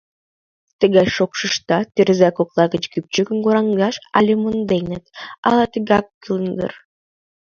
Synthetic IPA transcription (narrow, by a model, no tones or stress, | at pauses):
t̪ə̆ɣɑjʃokʃə̆ʃt̪ɑt̪erzækoklˠɑɣə̆t͡ɕkyp̚t͡ɕykə̆mɡuɾɑŋɡɑʃɑ̰lʲemond̪ejnə̆t̪ɑ̰lˠɑt̪ə̆ɣɑkːɯlnd̪ə̰r